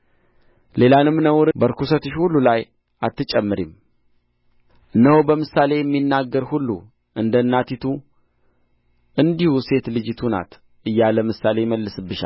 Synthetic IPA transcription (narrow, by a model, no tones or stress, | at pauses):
le̞lanɨmːnəwɾbəɾkusət̪ɨʃhulːulaj | ʔat̪ːɨt͡ʃʼɛmːɨɾim | ɨnːəhobəmɨsale̞jɛmːinːaɡːəɾhulːṵ | ʔɨnd̪ənːat̪ʰit̪ʰu | ʔɨnd̪ihuse̞t̪lɨd͡ʒɪt̪ʰuna̰t̪ | ʔɨjːaləmɨsale̞jɪməlːɨsɨbːɨʃa̰l